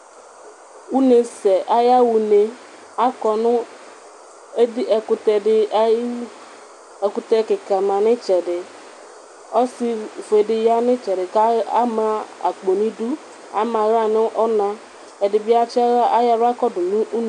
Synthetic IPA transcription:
u˦ne˨sɛ˨ʔa˦ja˦wu˨ne˦ | a˦kɔ˨nʊ˦ | e˦di˦ɛ˨kʊ˨tɛ˨dɪ˦ | ɛ˨kʊ˨tɛ˦kɪ˨ka˨ma˨nɪ˦t͡ʃɛ˨dɪ˨ | ɔ˦si˦ve˨dɪ˨ja˦nɪ˦t͡ʃɛ˨ɾɪ˨ka˦a̰˦ma˦a̰˨k͡po˨ni˦du˦ | a̰˦ma˨ɣa˦˨nɪ˦ʔɔ˦na˦ | ɛ˨dɪ˨bi˦a˦t͡ʃɛ˦a˦a˦ja˨ɾa˦kɔ˦dʊ˨nu˦u˦n˦

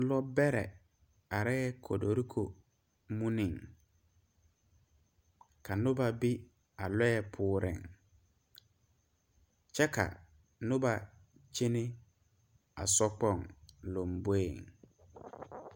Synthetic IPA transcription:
lɔ˦bɛ˦ɾɛ̰˨ | a˨ɾɛ˦ɛ˦kʰɔ˨do˨ɾi˦kʰo˨ | mũ˦nɪ̃˨ŋ | kʰa˨nʊ̃˦ba˨bi˦ | a˨lɔ˦jɛ˨pʰʊː˨ɾɪ̰̃˨ŋ | t͡ʃʰɛ˦kʰa̰˨ | nʊ˦ba˨ | t͡ʃʰe˦nɪ̃˦ | a˨sɔ˦k͡pɔ˦˨ŋlo˨mbo˦e˨ŋ

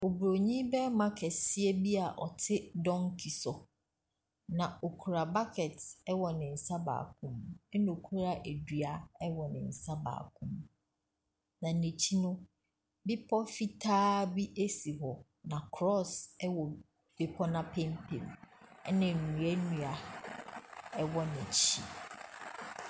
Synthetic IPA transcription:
o˨bu˨ɾo˨ɲĩ˦bɛ˦mã˦kʰɛ˨si˦ɛ˦bi˦a˨ʔɔ˨tʰɪ˦dɔ̃˦ŋkʰi˨sɔ˨ | nã˨o˨kʰu˨ɾa˨ba˦kʰɛ˨tɛ˦wɔ˨nɪ̃˨n̩˨sa˦ba̰ː˨kʰũ˦mɛ˦nʊ̃˨kʰu˦ɾa˨ʔe˨dɥa˨ɛ˦wɔ˨nɪ̰̃˨n̩˨sa˦ba̰ː˨kʰʊ̃˦m | nã˨nẽ˨t͡ɕʰi˦nʊ̃˦ | bɪ˦pʰɔ˦fi˦tʰaː˦bi˦ʔe˦si˨ɦɔ˨ | nã˨kʰɾɔ˦˨sɛ˦wɔ˨ | b̥e˨pʰɔ˦nã˦pʰɛ̃˦mpʰḛ̃˨mɛ˦nɪ̃˨nũ˨ɛ˦nũ˨a˨ | ɛ˦wɔ˦nɪ̃˨t͡ɕʰḭ˦

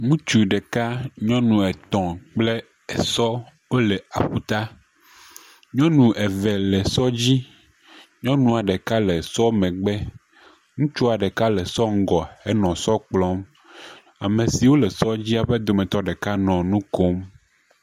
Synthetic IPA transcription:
ŋũ˦t͡ʃu˨ɖɛ˨ka˦ɲɔ̃˦nũ˨ɛ˨t̪ɔ̃˨k͡ple˦ | ɛ˨sɔ˦ | wo˦lɛ˨a˨ɸu˦t̪a˦ | ɲɔ̃˦nũ˨ʔɛ˨vɛ˨lɛ˨sɔ˦d͡ʑi˦ | ɲɔ̃˦nũ˨a˨ɖɛ˨ka˦lɛ˨sɔ˦mɛ̃˨ɡ͡bɛ˦ | ŋũ˦t͡ʃu˦a˨ɖɛ˨ka˦lɛ˨sɔ˦ŋ̩˦ɡɔ˨ɛ˦nɔ̃˨sɔ˦k͡plɔ˦m | a˨mẽ˨si˨wo˦lɛ˨sɔ˦d͡ʑi˦a˨ɸɛ˦d̪o˨mɛ̃˨t̪ɔ˦ɖɛ˨ka˦nɔ̃˨nũ˦ko˦m

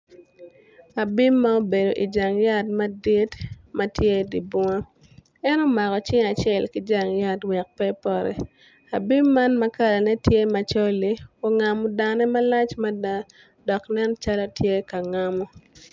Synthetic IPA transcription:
a˨bi˦mːa˦o˦be˨do˨ʔi˨d͡ʒa˨ŋja˦tma˦di˦tma˦tje˦di˨bɔ˦ŋa˦ | ɛ˦no˦ma˨kɔ˨t͡ʃɪ˦ŋa˨t͡ʃɛ˨lki˦d͡ʒa˨ŋja˦twɛ˨k̚pɛ˦pɔ˦ɾɛ̰˨ | a˨bi˦mːa˦nmɐ˦ka˦la˨nɛ˦tje˦ma˨t͡ʃo˦li˦o˨ŋa˨mɔ˨da˨nɛ˦ma˦la˦t͡ʃma˦da˦ | dɔ˨knɛ˦nt͡ʃa˦lɔ˦tje˦ka˨ŋa˦mɔ˦

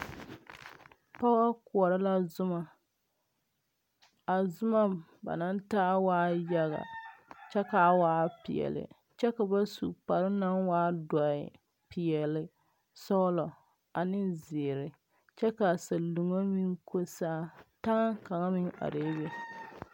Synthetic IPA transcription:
pa˦a˦kʊ˨ɔ˨ɾɪ˦la˦zʊ˦ma˨ | a˨zʊ˦ma˦ba̰˨na˦n˦taː˦waː˦ja˦ɣa̰˨t͡ʃɛ˦ka˨waː˦pḭ˨ɛ̰˨lɪ̰˨ | t͡ʃɛ˦ka˨ba˦sṵ˨pa˨ɾɪ˦na˦nwaː˦dɔ˨ɪ̰˨ | pi˨jɛ˨lɪ˨ | sɔ˦lɔ˨ | a˨nɪ˦zɪ˨ɾɪ˨ | t͡ʃɛ˦ka˨sa˨lu˨ŋa˦mi˦ŋkʰo˦saː˦˨ta˦ŋa˦ka˨ŋa˦mɪ˦ŋa̰˨ɾe˦be˦

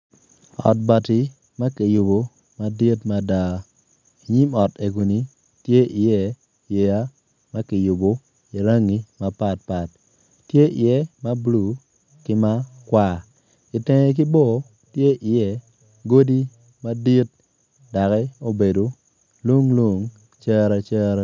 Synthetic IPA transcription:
ɔ̰˨t̚ba˨tɪ˨ | ma˦kɪ˨jʊ˨bo˨ | ma˦di˦tma˨˦da˨ | i˨ɲi˦mɔ˨te˨ɡu˨ni˨ | tje˦ʔɪ˨jɛ˦ | je˨ja˦ | ma˦kɪ˨jʊ˨bo˨ | i˨ɾa˦ŋi˦ma˦pa˦˨t̚pa˨t̚ː | je˦ʔɪ˨jɛ˦ma˦blu˨ | kɪ˦ma˦kwa˦˨ | ɪ˨te˨ŋe˨k̬ɪ˦bo˦˨ | tje˦ʔɪ˨jɛ˦ | ɡo˦di˦ | ma˦di˦t̚ | da˨kɛ˦o˦be˨do˨ | lu˦ŋlo˦ŋ | t͡ʃɛ˦ɾa˦t͡ʃɛ˦ɾa˦

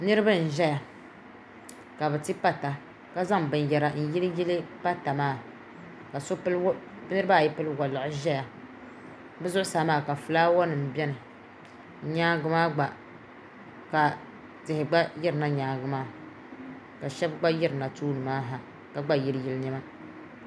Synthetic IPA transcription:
nɨ˦ɾɨ˦bɨ˦n̩˨ʒɛ˦ja˨ | ka˨bɨ˨ti˦pa˦ta˨ | ka˦za˦ŋbɨ˨n˨jɛ˨ɾa˨n̩˦ji˦lji˦lɨ˦pa˦ta˨maː˦˨ | ka˨so˦l | nɨ˦ɾɨ˦ba˦˨jɛ˦pɨ˦lɨ˦wa˨lɨ˨ʔʊ˨˦ʒɛ˦ja˨ | bɛ˦zʊ˦ʔʊ˦saː˨˦maː˦˨ka˨fɨ˨laː˦wɔ˦nɨ˨m̩˨bɛ˦nɨ˨˦ | ɲaː˦ɡɨ˦maː˦ɡ͡ba˨ | ka˨ | tɪ˨hɪ˨ɡ͡ba˦jɪ˦ɾɨ˨na˦ɲaː˨ɡɨ˦maː˦˨ | ka˨ʃɛ˦bɡ͡ba˦jɛ˦ɾɨ˨na˨tuː˦nɨ˨maː˦ɦa˨ | ka˨ɡ͡ba˦ji˦lɨ˦ji˦lɨ˦ni˦ma˦

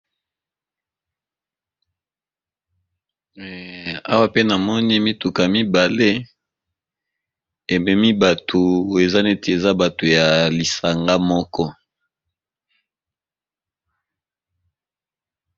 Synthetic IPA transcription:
a̰˦wa˦pe˦na˨mɔ˦ni˦mi˦tu˨ka˨mi˦ba˨le˦ | e˨mɛ˨mi˦ba˨tʰo˨e˨za˦ne˦te˨e˨za˦ba˨to˨ja˨li˨sa˨ŋɡa˦mɔ˦kɔ˦

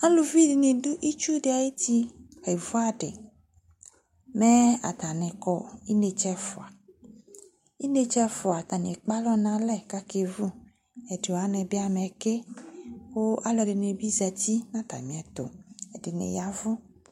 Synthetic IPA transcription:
ã˦lu˨vi˦di˨ne˨du˦ʔi˦t͡ʃu˦de˨a˨je˦t̪i˦ | xe˨vu˦a˨ɖḛ˨ | mɛ˦a̰˨t̪a˨nɛ̃˨kɔ˨i˦ne˨t͡ʃɛ˦fʊ˨a˨ | i˦ne˨t͡ʃɛ˦fʊ˨a˨t̪a˨ne˨k͡pa˦lɔ˦nã˨lɛ˦ka˦ke˨vu˦ | ɛ˨de˨a˦nɛ̃˨bi˦a˦˨mɛ˨ke˦wo˦ʔa˦lɔ˨ɖe˨ne˨bi˦zɛ˨t̪i˦nã˦t̪a̰˨mĩ˨ɛ˨t̪o̰˨e˨de˨nḛ˨ja˦vʊ˦

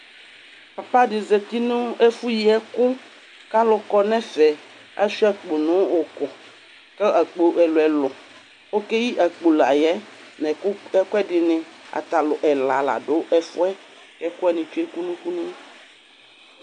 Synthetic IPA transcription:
pa˨pa˦dɪ˨ze˨t̪i˦nũ˦e˦fu˦ji˨ɛ˦kʊ˦ | ka˦lʊ˨kɔ˦nɛ̃˦fɛ˨ | a̰˦ʃi˦ɛ˦k͡po˨nõ˦o˨kɔ˨ | kɛ˦a˨k͡po˨ʔɛ˨lo˨ɛ˨lɔ˨ | o˦ke˦ji˦ʔa˨k͡po˨la̰˨jɛ˦ | nɛ̃˨˦ɛ˦kɛ˦dɪ˨nɪ̃˨a̰˨t̪a˨lʊ˨ʔɛ˨la˨la̰˨ɖo˨˦ʔɛ˦fʊ˦ɛ˦ | kɛ˦kʊ˦ɛ˦nĩ˨t͡ʃu˦e˦ku˦nũ˦ku˦nũ˦

